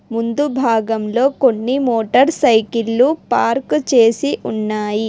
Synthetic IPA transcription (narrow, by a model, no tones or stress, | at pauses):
mund̪ubʱaːɡɐmlo̞ːkonːimoːʈɐɾsɐjkilːupaːɾkt͡ʃe̞ːsiʔunːaːji